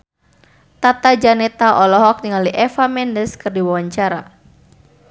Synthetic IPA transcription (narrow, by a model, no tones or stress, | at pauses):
t̪at̪ad͡ʒanɛt̪aʔɔlɔɦɔk̚niŋaliʔɛfamɛndəskɨrdiwawaɲt͡ʃaɾa̰